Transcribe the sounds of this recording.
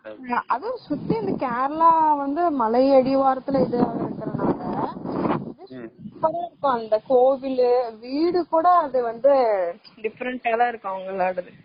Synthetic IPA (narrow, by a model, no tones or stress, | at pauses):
ʔɐðɯ̃sʊt̪ːiɪnd̪ɐkaːɾɐlaːʋɐnd̪ɯmɐlɐɪɐɽiʋaːɾɐt̪ːɪlɐɪðɯɪɾɯkːɪɾɐnaːlɐ | ɐðɯsʊpɐɾɐɪɾɯkːõɐnd̪ɐkoːʋɪlʋiːɽɯkuːɽɐːðɯʋɐnd̪ɯɖɪfɐɾɐɳʈaːðãːɪɾɯkːõʊŋɡɐɭːaːɽɐðɯ